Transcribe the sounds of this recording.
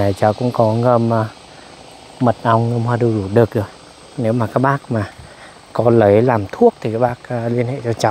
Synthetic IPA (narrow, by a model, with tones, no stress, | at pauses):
a˨˩jt͡ɕaː˨˧˦wkʊ̰˧˥ŋ͡mkɔ˨˦ŋə˧˩m˧ | mə˨˩t̚ʔa˧wŋ͡mŋə˧mɦwaː˧ɗɨ˧wɗu˧˩ɗɨ˨˩ək̚ɗj | ne˨˦wmaː˨˩kaː˦˥k̚ɓaː˦˥k̚maː˨˩ | kɔ˨˦lə˨˦jlaː˨˩mt̪ʰu˦˥ək̚t̪ʰi˨˩kaː˦˥k̚ɓaː˦˥k̚ːli˧ənhḛ˧˨t͡ɕɔ˧t͡ɕa˨˦w